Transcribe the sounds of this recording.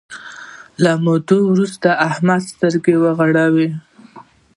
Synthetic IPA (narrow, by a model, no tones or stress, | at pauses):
lamot̪owɾust̪aahmad̪st̪əɾɡewəɣaɽawi